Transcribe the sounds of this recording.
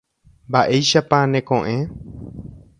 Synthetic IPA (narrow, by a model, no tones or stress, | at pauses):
mbaʔejʃapãnẽkõʔẽ